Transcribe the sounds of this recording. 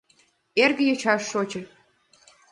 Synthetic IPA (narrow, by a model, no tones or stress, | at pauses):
erɣə̆jɤt͡ɕɑʃːot͡ɕə̆